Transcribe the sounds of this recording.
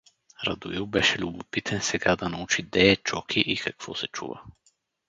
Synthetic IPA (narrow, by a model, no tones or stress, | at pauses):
ɾɐ̰d̪ʊilˠbɛʃɛlʲʊbʊpit̪ʰɛnsɛɡad̪ɐnɐut͡ʃid̪ɛːt͡ʃɔkʰiʔikɐkv̥ɔ̰sɛt͡ʃṵvə̰